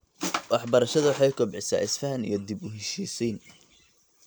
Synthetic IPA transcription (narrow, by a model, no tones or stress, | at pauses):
wɑħbɐɾɐʃɐðɐwɑħɑjkʰɔbʕɪsa̰ːɪsfɐɦɐnḭjɞd̪ibʊɦɛʃiːsɛjn